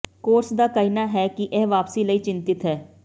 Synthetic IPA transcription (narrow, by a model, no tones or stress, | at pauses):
koːɾsd̪aːkəiːnaːɦɛːkɪʔɛːʋaːpsiːləiːt͡ʃɪ̃nt̪ɪt̪ɦɛː